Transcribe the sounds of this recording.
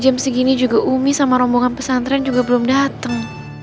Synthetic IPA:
d͡ʒamsəɡinid͡ʒuɡaʔumisamaɾɔmbɔŋanpəsant̪ɾɛand͡ʒuɡabəlʊmdat̪əŋ

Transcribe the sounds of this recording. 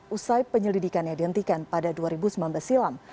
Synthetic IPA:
usajpəɲəlidikanjadihənt̪ikanpadaduaɾibusəmambəsilam

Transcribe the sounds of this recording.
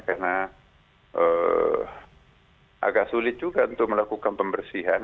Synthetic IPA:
kana | ʔə̰ | ʔa̰ɡaʔsulɪt̪̚d͡ʒuɡaunt̪ʊk̚məlakukanpəmbərsiɦan

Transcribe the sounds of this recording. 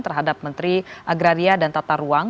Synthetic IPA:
t̪ərɦadap̚mənt̪ɾiʔaɡɾaɾiadant̪at̪aɾuaŋ

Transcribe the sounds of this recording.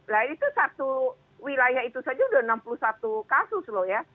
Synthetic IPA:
lanit̪usat̪u | wilajahit̪usad͡ʒaudaənampuluhsat̪ukasʊslɔhja

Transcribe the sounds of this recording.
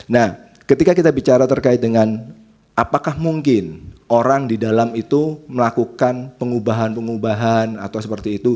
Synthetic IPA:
nah | kət̪ikakit̪abit͡ʃaɾat̪ərkaɪt̪̚dəŋan | ʔapakahmuŋkɪnʔoɾaŋdidalamit̪uməlakukanpəŋubaɦanpəŋubaɦana̰t̪awsəpərt̪iːt̪u

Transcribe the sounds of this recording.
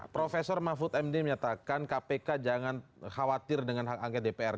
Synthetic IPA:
pɾofesɔrmafʊt̪ɛmdiməɲat̪akankapekad͡ʒaŋanxawat̪ɪrdəŋanɦakaŋkɛt̪̚depeɛr

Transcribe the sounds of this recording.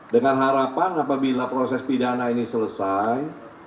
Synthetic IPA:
dəŋanɦaɾapanapabilapɾosɛspidanainisələsaj

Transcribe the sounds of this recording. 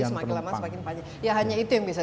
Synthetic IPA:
səmaɪlamasəmakɪnpaɲa | jaɦaɲait̪ujaŋbiasa

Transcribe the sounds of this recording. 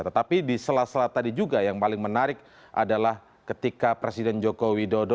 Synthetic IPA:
t̪ət̪apidisəlasəlat̪adid͡ʒuɡajaŋpalɪŋmənaɾɪk̚ | ʔa̰dalah | kət̪ikapɾesidɛnd͡ʒokowidodo

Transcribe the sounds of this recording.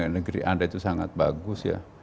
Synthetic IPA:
nəɡɾḭʔandait̪usaŋat̪̚ba̰ɡʊsja̰

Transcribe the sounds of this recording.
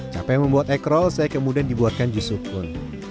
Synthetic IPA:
t͡ʃa̰pɛjməmbuat̪ɛkɾɔlsajakəmudiandibuarkand͡ʒusukʊn

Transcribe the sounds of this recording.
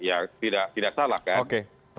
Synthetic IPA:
jat̪idaʔ̚t̪idaʔ̚salakaoke

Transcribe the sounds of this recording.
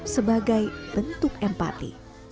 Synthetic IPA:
səbaɡajb̥ənt̪ʊkɛmpa̰t̪ḭ

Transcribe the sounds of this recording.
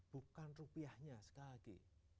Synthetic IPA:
b̥ṳkanrupiahɲasə̥kalakḭ

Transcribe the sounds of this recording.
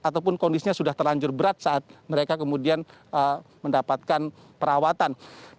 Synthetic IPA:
ʔat̪awp̬ʊnkɔndisiɲasudaht̪ərlaɲd͡ʒʊrbəɾat̪̚saat̪̚məɾekakəmudianəməndapat̪̚kan | pəɾawat̪an

